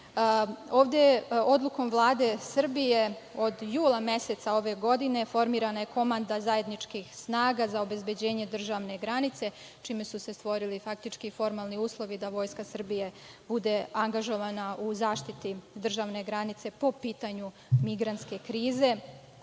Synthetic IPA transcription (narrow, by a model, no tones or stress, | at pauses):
o̞ːʋd̪eo̞d̪lˠuko̞mʋlˠaːd̪e̞sr̩bije̞o̞d̪juːlamje̞se̞t̪sao̞ʋe̞ɡo̞d̪ine̞fo̞ɾmiːɾanaje̞ko̞mand̪azaje̞d̪nit͡ʃkixsnaːɡazao̞be̞zbe̞d͡ʑe̞ːɲe̞d̪r̩ʒaʋne̞ɡɾanit̪se̞ | t͡ʃiːmesuse̞st̪ʋo̞ɾilifak̚t̪it͡ʃkifo̞ɾmaːlˠniuːslˠo̞ʋid̪aʋo̞ːjskasr̩bije̞ | bud̪e̞aŋɡaʒo̞ʋanauzaːʃt̪it̪id̪r̩ʒaʋne̞ɡɾanit̪se̞po̞piːt̪aɲu | miɡɾant̪ske̞kɾiːze̞